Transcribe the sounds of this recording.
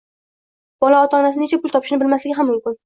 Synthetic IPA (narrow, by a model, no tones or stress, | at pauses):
b̥ɒlaɒt̪ʰɒnasɪnet͡ʃʰapʰʊlˠt̪ʰɒpʰɪʃnɪbɪlmaslɪɡʲɪɦamːʊmkʲɪn